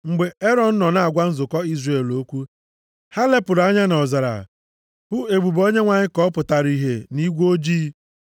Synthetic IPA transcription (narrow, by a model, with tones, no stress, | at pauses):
ŋ͡m̩˨ɡ͡be˨e˦ɾɔ˨n̩˦nɔ˨na˨a˨ɡʷa˦n̩˦zʊ˨kɔ˦i˦zre˨lo˦kʷu˦ | ha˦le˦pʊ˨ɾa˦ɲa˦nɔ˨za˨ɾa̰˨ | bʊ˦e˨ɡ͡bu˨bo˦ɲe˦ŋʷa˨ɲɪ˦kɔ˦pʊ˨ta˨ɾi˨ɦe˨ni˦ɡʷo˦d͡ʒiː˦